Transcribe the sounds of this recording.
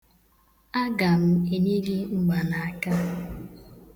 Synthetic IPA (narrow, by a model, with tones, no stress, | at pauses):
a˦ɡa˨m̩˦e˨ni˦ɡi˦ŋ͡m̩˦ɡ͡ba˨na˨a˨ka˦